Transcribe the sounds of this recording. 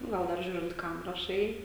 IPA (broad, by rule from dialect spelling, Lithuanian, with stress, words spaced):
ˈɡɐlˠ dɐr ˈʒʲuːrʲɪnt ˈkɐm rɐˈʃɐɪ